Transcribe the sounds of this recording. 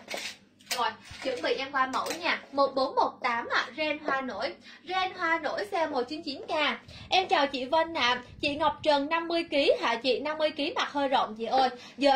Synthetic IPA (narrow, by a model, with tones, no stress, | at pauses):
zɔ˨˩jt͡ɕɨ̰˧˥ŋɓḭ˧˨ʔɛ˧mkwaː˧mə̰˧˥wɲaː˨˩mo˨˩t̚ɓo˨˦nmo˨˩t̚t̪aː˨˦ma̰˧˨zɛ˧nɦwaː˧no̰˧˥jzɛ˧nhwaː˧no̰˧˥jsɛ˧mo˨˩t͡ɕi˨˦nt͡ɕi˨˦nkaː˧˩ | ʔɛ˧mt͡ɕaː˨˩wt͡ɕḭ˧˨və˧nːa̰ː˧˨mt͡ɕḭ˧˨ŋa˨˩wk͡p̚t͡ɕə˨˩nna˧mːɨ˧əjki˨˦ha̰ː˧˨t͡ɕḭ˧˨na˧mːɨ˧əjki˨˦ma˨˩k̚həː˧jzə̰˧˨wŋ͡mzḭ˧˨˩ʔo˧j | zəː˨˩